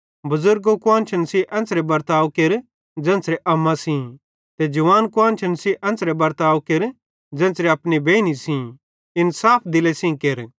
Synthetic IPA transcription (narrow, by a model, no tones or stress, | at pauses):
bɐzʊɾɡokʊãːnt͡ʃʰɐnsiʔɛ̃nsɾebɐɾt̪aːwkeɾ | d͡ʒɛ̃ːnsɾeʔɐmːãsĩ | t̪ed͡ʒɐʋaːnkʊãːnt͡ʃʰɐnsiʔɛ̃ːsɾebɐɾt̪aːʋkeɾ | d͡ʒɛ̃ːnsɾeɐpnibʱeːnisĩ | ɪnsaːpʰd̪ɪlesĩkeɾ